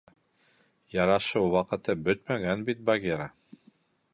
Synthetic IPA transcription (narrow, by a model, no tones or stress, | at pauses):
jɑɾɑʃɤwwɑqɤ̆t̪ɤbɵt̪mæɡænbit̪̚baɡʲeɾa